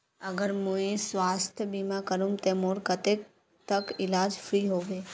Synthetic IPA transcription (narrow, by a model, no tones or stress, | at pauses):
ɐɡəɾmũẽsʋaːst̪ʰjəbimakəɾũmt̪emoːɾkət̪e | t̪əkɪlaːd͡ʒfʰɾiːɦoːʋeː